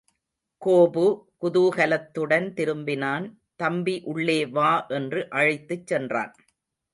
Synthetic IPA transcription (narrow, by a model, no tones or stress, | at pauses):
koːbɯkʊðuːɣɐlɐt̪ːɯɽɐnt̪ɪɾɯmbɪnaːn | t̪ɐmbiʔʊɭːeːʋaːʔɛndrɯʔɐɻɪt̪ːɯt͡ʃːɛndra̰ːn